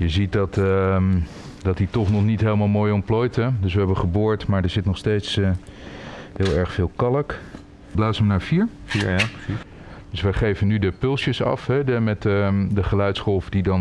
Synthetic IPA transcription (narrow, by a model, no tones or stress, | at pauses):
jəzit̚dɑt | dɑt̚ditɔχnɔχnitɦejləmaːlˠmoːjɔmplojtədɵsʋəɦɛbəχəboːɹtmaːɹdəɹzɪtnɔχstejts | ɦɪːlˠɛɹχfɪːlˠkɑlək | blaːsəmənaːɹfiːɹ | d̥ɵsʋəχejvənydəpɵlˠsjəsɑ̰fɦɛdəmɛtdəχəlœɥtsχɔlˠfdidɑn